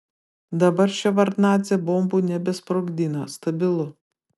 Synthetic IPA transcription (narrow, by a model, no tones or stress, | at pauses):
d̪ɐbɐɾʃʲɛʋɐɾt̪nɑːt̪zʲɛboːmbuːnʲɛbʲɛspɾoɡd̪ʲiːnɐst̪ɐbʲɪlˠʊ